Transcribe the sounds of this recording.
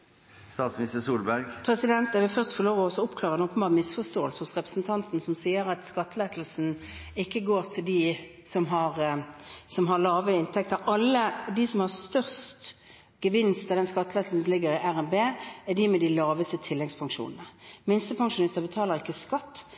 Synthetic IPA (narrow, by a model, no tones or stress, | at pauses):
st̪ɑːt̪smɪnɪst̪əsuːlbæɾɡpʰɾɛsɪd̪ɛnt̪æʋɪlfœʁst̪fɔʁloːʋɔɔsɔʊpkʰlɑːʁəɛnoːpːəmbɑːʁmɪsfɔst̪oːəlsəhʊsʁɛpʁə̥sn̩t̪ʰɑnt̪nsɔmsiːəʁɑt̪skɑt̪ːleːt̪l̩sn̩ | ɪkːəɡoːʁt̪ʰɪld̪i | sɔmɦɑʁ | sɔmɦɑʁlɑːʋəɪnt̪ʰɛk̚t̪ɑʁɑlːəd̪ɪsɔmhɑʁst̪œʁst̪ | ɡ̥əʋɪnst̪ɪld̪ɛnskɑt̪ːlɛːt̪l̩sn̩lɪɡəɾɪʔæʁɛnbeːæd̪ɪːmɛd̪ɪlɑːʋəst̪ət̪ʰɪlːɛɡspʰɑŋʂṵːnənəmɪnst̪əpʰɑŋʃʊnɪst̪əbət̪ʰɑːləʁɪkːəskɑt̪ː